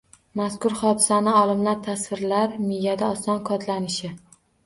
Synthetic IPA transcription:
maskʊɾχɒd̪ɪsanɪɒlˠɪmlaɾt̪ʰasvɪɾlaɾmɪjad̪aɒsɒnkʰɒt̪ʰlanɪʃɪ

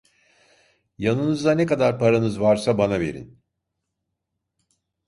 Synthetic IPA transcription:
janɯnɯzd̪anekad̪aɾpʰaɾanɯzvaɾsabanavḛɾḭn

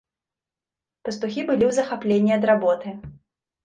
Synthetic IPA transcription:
pɐst̪uxʲibɨlʲiwzɐxaplʲenʲːiɐd̪ɾabɔt̪ɨ

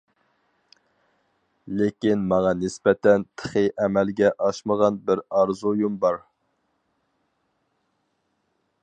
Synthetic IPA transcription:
lekʲinmɑŋɑnɪspɛt̪ʰɛnt̪ʰə̥χɨjʔɛmɛlɡʲɛʔɑʃməʁɑnbɪɾɑɾzujumbɑɾ

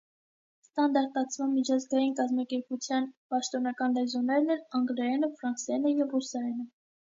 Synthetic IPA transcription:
st̪ɑnd̪ɑɾt̪ɑt͡sʰvɑnmit͡ʃʰɑzɡɑjinkɑzmɑkɛɾput͡sʰjɑnpɑʃt̪ɔnɑkɑnlɛzɔnɛɾnɛlɑŋɡlɛɛnəfɾɑnsɛnəjɛvrusɑɛnə

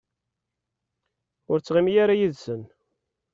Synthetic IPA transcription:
ʊɾt͡sːʁimijaɾajiðsən

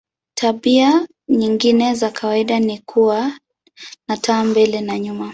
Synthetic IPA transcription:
tʰaɓia | ɲiŋɡinɛzakʰawaiɗanikʰuwa | natʰaːmbɛlɛnaɲuma

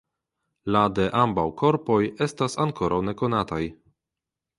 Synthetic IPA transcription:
lade̞ʔambawkʰo̞ɾpo̞je̞stasaŋkʰo̞ɾʔawne̞ko̞nataj

